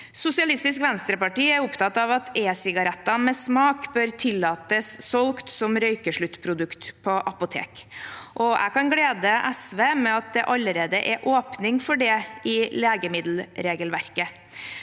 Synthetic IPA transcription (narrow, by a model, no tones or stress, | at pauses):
sʊsɪɑlɪst̪ɪskʋɛnst̪ɾəpɑʈiːæɾʊpt̪ɑt̪ɑʋɑt̪eːsɪɡɑɾɛt̪ːɑmɛsmɑːkbøːɾt̪ʰɪlːɑːt̪əsːɔlkt̪sɔmɾœʏkəʂɭʉt̪ːpʰɾʊd̪ʉkt̪pʰɔʔɑpʊt̪ʰḛːkʔɔʔæ̰kɑnɡleːd̪əʔæsʋeːmɛɑt̪̚d̪ɛʔɑləɾeːd̪əʔɛʔoːpnɪŋfɔɖɛɪleːɡəmɪd̪l̩ɾeːɡəlʋæɾkə